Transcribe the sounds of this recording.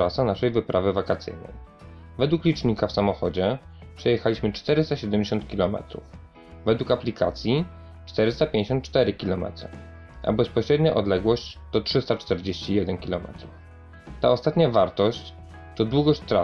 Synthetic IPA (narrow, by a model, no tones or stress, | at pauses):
ɾasanaʂɛjvɘpɾʔavɘvakat̪sɘ̰jnɛ̰j | vɛd̪wuklʲit͡ʂɲikafsamɔxɔd͡ʑɛ | pʂɛjɛxalʲiɕmɘt͡ʂt̪ɛɾɘst̪aɕɛd̪ɛmd͡ʑeɕɔ̃nt̪̚kʲilɔmɛ̰t̪ɾṵf | vɛd̪wukaplʲikʰa̰t̪sʲji | t͡ʂt̪ɛɾɘst̪apʲj̃ẽɲd͡ʑeɕ̬ɔnt̪̚t͡ʂt̪ɛɾɘkʲilɔmɛ̰t̪ɾṵ | ʔa̰bɛspɔɕɾɛd̪ɲaʔɔd̪lɛɡwɔɕt͡ɕd̪̥ɔtʂɘst̪at͡ʂt̪ɛɾd͡ʑeɕt͡ɕijɛd̪ɛnkʲilɔmɛ̰t̪ɾuf | t̪a̰ɔst̪at̪ɲavaɾt̪ɔɕt͡ɕ | t̪ɔd̪wuɡɔɕt͡ɕt̪ɾa